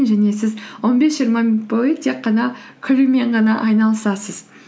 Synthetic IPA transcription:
nʒæne̞sɪzwo̞nbe̞sʒijɾmɑbojət̪ʰe̞qːɑnɑkʲʰʏɾume̞ɴʁɑnɑʔɑjnɑlˠəsɑsəz̥

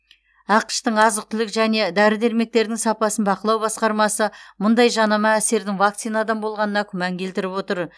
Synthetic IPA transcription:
ɑqə̥ʃt̪əɴɑzəq̚t̪ʰʏlɪkʒæne̞d̪æɾɪd̪e̞ɾme̞k̚t̪e̞ɾd̪ɪŋsɑpɑsənbɑqəlˠɑwbɑsqɑɾmɑsəmʊnd̪ɑjʒɑnɑmɑæse̞ɾd̪ɪŋvak̚t̪sijnad̪ɑmbo̞lˠʁɑnənɑkʲʰʏmɑŋkʲʰe̞lt̪ɪɾɪpwo̞t̪əɾ

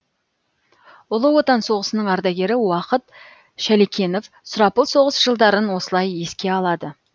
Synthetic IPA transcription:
ʊlˠəwo̞t̪ɑnso̞ʁəsənəɴɑɾd̪ɑɡʲe̞ɾɪwɑqət̪ | ʃælekʲʰe̞no̞f | sʊɾɑpəlˠso̞ʁəsʒ̥əlˠd̪ɑɾənwo̞səlˠɑje̞skʲe̞ɑlˠɑd̪ə

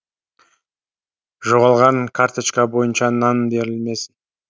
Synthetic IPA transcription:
ʒo̞ʁɑlˠʁɑŋkʰaɾt̪ət͡ʃkabo̞jənʃɑnanbe̞ɾɪlme̞s

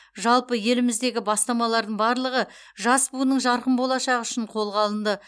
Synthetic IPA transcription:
ʒɑlˠpəje̞lɪmɪzd̪e̞ɡʲɪbɑst̪ɑmɑlˠɑɾd̪əɴbɑɾlˠəʁə | ʒɑsbunəɴʒɑɾqəmbo̞lˠɑʃɑʁəʏ̥ʃɪɴqʰo̞lˠʁɑlˠənd̪ə

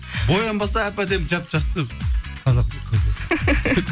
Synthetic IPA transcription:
bojɑmbɑsɑæpæd̪ep̚d͡ʒɑpʒɑst̪əqʰɑzɑq̚t̪əqʰəzə

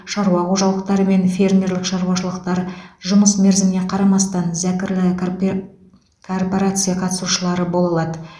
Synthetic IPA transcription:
ʃɑɾuɑqoʒɑlˠəq̚t̪ɑɾəme̞nfʲe̞rmʲe̞ɾlɪkʃɑɾuwɑʃəlˠəqt̪ɑɾʒʊməsme̞ɾzɪmne̞qʰɑɾɑmɑst̪ɑnzækʲɪɾlɪ | kʰo̞rpo̞ɾat̪sɨjaqʰɑt̪əsuʃəlˠɑɾəbo̞lˠɑlˠɑd̪ə

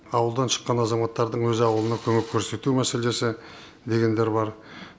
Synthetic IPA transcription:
ɑwəlˠd̪ɑnʃə̥qːɑnɑzɑmɑt̪ːɑɾd̪əɴwɵzɪɑwəlˠənɑkʲʰɵŋekʲʰːɵɾse̞t̪umæse̞le̞sɪ | d̪e̞ɡʲe̞nd̪e̞ɾbɑɾ

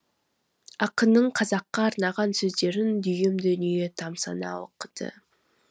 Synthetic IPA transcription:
ɑqənːəɴqʰɑzɑqːɑːɾnɑʁɑnsɵzd̪e̞ɾɪnd̪ʏjɪmd̪ɵnijet̪ʰɑmsɑ̰nɑ̰wo̰qəd̪̥ə̰

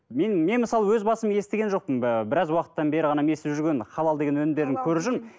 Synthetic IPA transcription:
menme̞nməsɑlˠəwɵzbɑsəmje̞st̪e̞ɡʲe̞nʒo̞q̚pəmbɪɾɑzwɑqə̥t̪ːɑnbe̞ɾɪʁɑnɑme̞seʒʏɾɡʲe̞nχɑlˠɑlˠd̪eɡe̞nwɵnɪmd̪e̞ɾd̪ɪŋkʲʰɵɾuʒɪn

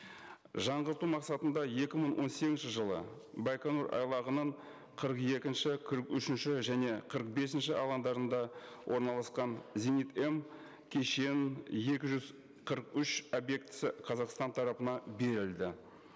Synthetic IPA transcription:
ʒɑɴʁəɾt̪umɑqsɑt̪ənd̪ɑje̞kʲɪməɴwʔo̞̰nseɡʲɪnʃɪʒəlˠə̰ | bɑjkanuɾʔɑ̰jlˠɑʁənəɴ | qʰəɾəqje̞kʲɪnʃɪqʰəɾəqʏʃɪnʃɪʒæne̞qʰəɾəq̚be̞sɪnʃɪʔɑlˠɑnd̪ɑɾənd̪ɑ | wʔo̞ɾnɑlˠɑsqɑnzʲenit̪e̞m | kʲʰe̞ʃeje̞kʲɪʒʏz | qʰəɾəqʏʃobje̞k̚t̪ɪ̥sɪqʰɑzɑqst̪ɑnt̪ʰɑɾɑpənɑbe̞ɾɪld̪ɪ

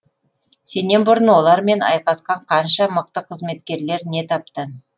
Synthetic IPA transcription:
se̞ne̞nbʊɾənwo̞lˠɑɾme̞nɑ̰jqɑsqɑɴqʰɑnʃɑməq̚t̪əqʰəzme̞t̪kʲe̞ɾle̞ɾne̞t̪ʰɑp̚t̪ə

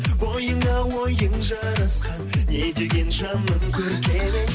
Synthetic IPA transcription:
bojəɴɑwojəŋʒɑɾɑsqɑnːe̞d̪e̞ɡʲe̞nʃɑnəmkʲʰɵɾkʲʰenɪ

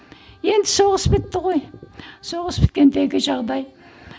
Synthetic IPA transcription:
je̞nd̪ɪso̞ʁəspɪt̪ːɪʁo̞jso̞ʁəspɪ̥t̪̚kʲe̞nd̪e̞ɡʲɪʒɑʁd̪ɑj

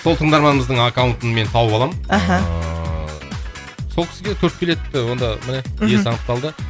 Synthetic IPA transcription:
sot̪ʰəɴd̪ɑɾmɑnəməzd̪əɴakawʊnt̪ənme̞nt̪ʰɑwəpɑlˠɑmɦa | solˠkʲʰɪ̥sɪɡʲetʲʰɵɾt̪̚kʲʰe̞le̞ɪwo̞nd̪ɑmɪnejesɑnəq̚t̪ːɑlˠd̪ə

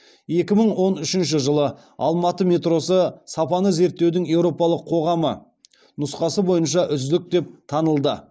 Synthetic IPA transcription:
je̞kʲɪməɴwo̞nʏʃɪnʃ̬ɪʒəlˠə | ɑ̰lˠmɑt̪əmʲe̞t̪ro̞səsɑpɑnəze̞ɾt̪ːewd̪ɪŋje̞wɾo̞pɑlˠəqʰːo̞ʁɑmə | nʊsqɑsəbo̞jənʃɑʔʏzd̪ɪk̚t̪e̞p̚t̪ʰɑnəlˠd̪ə

